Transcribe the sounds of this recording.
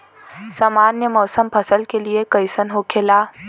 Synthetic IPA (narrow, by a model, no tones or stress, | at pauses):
saːmaːnjəmɔːsəmpʰɐsəlkeliekəɪsənɦokʰeːlaː